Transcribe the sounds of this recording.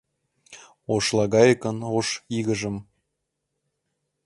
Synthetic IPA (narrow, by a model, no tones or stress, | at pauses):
oʃlˠɑɣɑjəkə̆noʃiɣə̆ʒə̆m